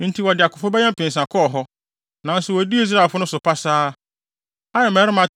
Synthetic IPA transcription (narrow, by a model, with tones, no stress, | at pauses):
n̩˦tʰi˦wɔ˨dɪ˨a˨kʰʊ˨pʰɔ˦bɛ˦ɲɛ̃˦m˦pɪ̃˨n˨s̬ã˨kʰɔ˦˨ɦɔ˦ | nã˨n̩˦sʊ˨wɔ˨di˦i˦s̬ɾa˦˨fʊ˦nʊ̃˦sʊ˨pʰa˦saː˦ | a˦ɛ˨mɛː˨˦ɾɪ˦mã˨